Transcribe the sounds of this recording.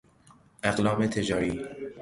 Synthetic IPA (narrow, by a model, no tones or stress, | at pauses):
ʔaɣlɒːmet̪ʰed͡ʒɒːɾiː